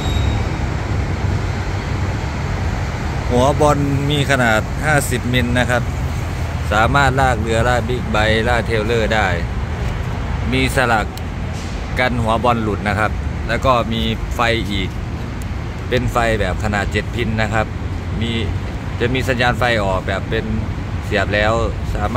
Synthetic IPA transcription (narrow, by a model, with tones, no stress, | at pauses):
hu˨˦ɐbɔ˧˥nmiː˧˥˨kʰa˧naː˨˩t̪̚haː˥˩si˨˩p̚me˧˥nːa˦˧˥kʰa˦˧˥p̚ | saː˨˦maː˥˩t̪̚laː˧˥˩k̚lɯ˧ɐlaː˥˩k̚bi˧˥˩k̚ba˧˦jlaː˧˩k̚t̪ʰeː˧˩˨wlɤː˧˩daː˥˩j | miː˧˥˩sa˧la˨k | ka˧nhu˩˦ɐbɔ˧nlu˨˩t̪̚na˧˥kʰa˧˥p̚lɛː˧˥˩wkɔː˧˩miː˧˥fa˧jʔiː˨˩k̚ | pe˧nfa˧jbɛː˨˩p̚kʰa˧naː˨˩t̪̚t͡ɕe˨˩˦t̪̚pʰi˧nːa˧˥kʰa˧˥p̚miː˧˥ | t͡ɕa˨˩miː˧˥˨sa˨˦njaː˧˥nfa˧jʔɔː˨˩k̚bɛː˨˩pːe˧n | si˨˩˦əp̚lɛː˧˥˩wsaː˨˦ma